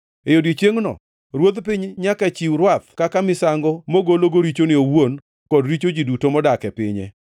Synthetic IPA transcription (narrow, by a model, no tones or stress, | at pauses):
ejodit͡ʃjeŋnɔ̰ | ɾwot̪pɪɲɲakat͡ʃiwɾwat̪̚kakamɪsaŋɡɔmoɡoloɡoɾit͡ʃonɪowon | kɔdɾit͡ʃod͡ʒidutomɔdakɛpɪ̰ɲɛ̰